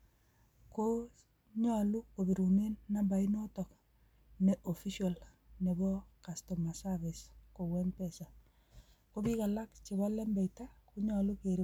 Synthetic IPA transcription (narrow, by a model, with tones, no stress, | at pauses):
ko | ɲɔ˦lu˦ko˨bi˨ɾu˨ne˦nːa˦mba˨i˦no˦tɔ˨k | ne˨ʔo˨fi˦ʃa˨l | ne˨bɔ˦ka˨stɔ˨ma˨sa˦βi˨sko˨wɛ˦npɛ˨sa˨ | ko˦βi˦ka˨la˦kt͡ʃe˨βa˦lɛ˦mbɛ˨jta˦ku˦ɲɔ˨lu˦ke˨ɾi˦